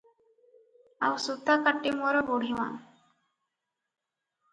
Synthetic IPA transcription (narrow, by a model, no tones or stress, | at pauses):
awsut̪ːakaʈːimɔɾɔboɽ̤ʱiwa̰n